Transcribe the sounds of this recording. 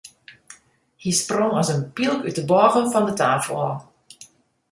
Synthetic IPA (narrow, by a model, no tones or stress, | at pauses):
hisproŋɔsənpilˠkyt̚əbɔːɣəfɔndətaːfəl̩ˠɔ̰